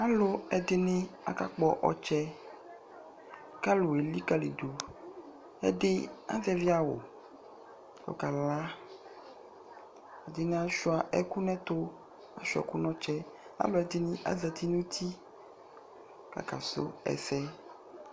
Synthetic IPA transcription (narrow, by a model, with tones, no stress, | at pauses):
a˦lo˦ɛ˨d̪e˦nẽ˦a̰˦ka˦k͡pɔ˨ʔɔ̰˨t͡ʃɛ˦ | ka˦lo˨e˨li˦ka˦lḛ˨do˨ | ɛ̰˦dɪ˦a̰˦zɛ˦vi˦a˨wo̰˨ | ko̰˨ka˨la˦ | a˨d̪e˨nẽ˦a˦ʃu˦a˨ʔɛ˦ku˦nɛ̃˦t̪o˦ | a˦ʃu˦ɛ̰˨ku˦nɔ̃˦t͡ʃɛ˦a̰˦lo˦ɛ˨d̪e˨nẽ˦ʔa̰˦zɛ˨t̪i˦nũ˦t̪ʰi˦ | ka̰˨ka̰˨so̰˦ɛ̰˨sɛ˦